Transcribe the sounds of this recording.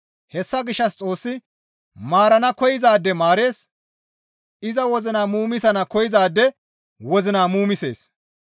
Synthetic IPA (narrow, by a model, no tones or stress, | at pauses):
hɛsːɐɡɪʃːɐst͡sʼo̞ːsːɪ | maːɾɐnɐkɔjɪzaːd̪ːɛmaːɾe̞ːs | ɪzɐwɔzɪnaːmuːmɪsɐnɐkɔjɪzaːd̪ːɛ | wɔzɪnaːmuːmɪsḛːs